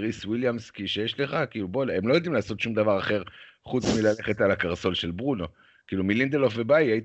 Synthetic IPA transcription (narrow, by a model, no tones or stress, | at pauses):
ʁiswiljamskiʃejeʃle̞χakiːlubolemlo̞jod̪imlaːso̞tʃumd̪avaʁaχe̞ʁχut͡smilale̞χe̞t̪alakaʁso̞lʃe̞lbʁuno̞ | kiːlumilind̪elofvebajait